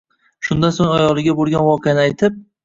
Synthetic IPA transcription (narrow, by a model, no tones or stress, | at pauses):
ʃʊnd̪ansoŋʲajɒlˠɪɡʲabolˠɡʲanvɒqʰejanɪajt̪ʰɪp̚